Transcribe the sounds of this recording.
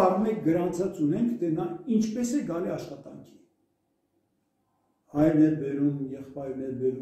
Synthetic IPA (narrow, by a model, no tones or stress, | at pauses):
ɑrmɛk̚ɡəɾɑnt͡sʰɑt͡sunɛŋkʰt̪ʰɛnɑint͡ʃʰpɛsɛɡɑliɑʃχɑt̪ɑ̰ŋkʰi̥ | hɑjnɛbɛɾumjɛχpɑjɾnɛɾbɛɾu